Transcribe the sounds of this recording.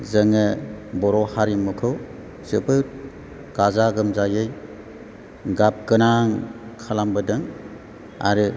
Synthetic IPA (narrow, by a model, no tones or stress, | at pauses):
zɯŋɯbɔɾɔhaɾimukʰɯw | zɯpɯ | kazaɡɯmzajɯj | ɡap̚kɯnaŋkʰalambɯdɯŋ | a̰ɾɯ